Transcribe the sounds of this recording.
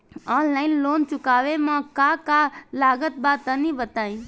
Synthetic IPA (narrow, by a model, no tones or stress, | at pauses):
ɔːnlaːɪnloːnt͡ʃʊkaːʋemãkaːkaːlaːɡət̪̚baːt̪ənĩbət̪aːĩː